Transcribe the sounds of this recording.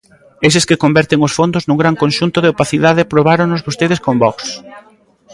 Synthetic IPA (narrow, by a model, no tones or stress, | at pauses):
es̬ɪskɪkombɛɾt̪eŋʊsfond̪ʊznuŋɡɾaŋkonʃunt̪ʊðeopaθiðaðɪpɾoβ̞aɾoŋnʊzβost̪eð̞ɪskombɔks